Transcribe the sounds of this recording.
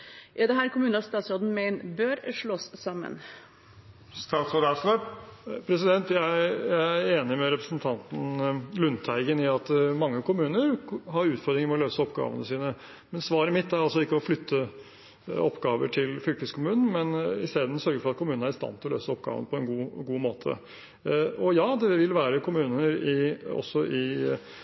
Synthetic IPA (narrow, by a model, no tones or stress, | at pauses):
ʔɪd̪ɛɦæːɾkʰʊmʉːnəɑst̪ɑːt̪sɾod̪n̩meɪnbøːɾʂɭoːssɑmːə̰n | st̪ɑːt̪sɔd̪ɑʂləpʰɾɛs̬ɪd̪ɛnt̪jæɪjæɪæɾeːnɪmɛɾɛpɾəsənt̪ʰɑnt̪n̩lʉnt̪ʰæɪɡənɪɑt̪mɑŋːəkʰʊmʉːnəɾɦɑɾʉːt̪fɔɾd̪ɾɪŋəmɛɔløːsəɔpɡɑ̰ːʋə̰nəsiːnə | mɛnsʋɑːɾɪmɪt̪ːæɾɑls̬ɔɪkːəɔflʏt̪ʰːə | ɔpːɡɑːʋə̰ʈʰɪlfʏlkəskʰʊmʉːnn̩mɛnɪst̪eːd̪ən̩sœɾɡəɾfɔɾɑt̪̚kʰʊmʉːn̩æɾɪst̪ɑ̰nt̪ʰɪlɔlø̰ːsəɔp̚ɡɑ̰ːʋə̰nəpʰɔɛnɡuːɡuːmoːt̪ʰə̰ | ɔjɑːd̪ɛʋɪlʋæːɾəkʰʊmʉːnəɾɪɔ̰sːɔʔɪ